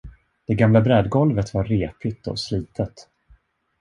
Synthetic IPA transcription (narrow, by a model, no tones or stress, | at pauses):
d̪̥ɛɡamlabɾɛd̪ɡɔlvət̪vaɾːeːpɪt̪ɔ̰sliːt̪ʰət̪